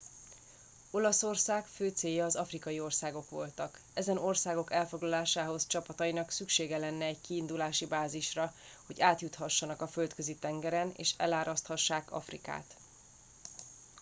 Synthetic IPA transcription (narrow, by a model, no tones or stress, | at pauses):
o̞lɒso̞rsaːkføːt̪seːjːɒːzɒfrikɒjio̞rsaːɡo̞kʋo̞̰lt̪ɒk | ɛzɛno̞rsaːɡo̞kɛlfo̞ɡlɒlaːʃaːɦo̞st͡ʃɒpɒt̪ɒinɒksykʃeːɡɛlɛnːɛɛɟ̚kiːnd̪ulaːʃibaːziʃrɒ | ho̞ɟaːt̪jut̪hɒʃːɒnɒkɒfø̞lt̪køzit̪ɛŋɡɛɾɛnḛːʃɛ̰laːɾʔɒst̪hɒʃːaːkɒ̰frḭka̰ːt̪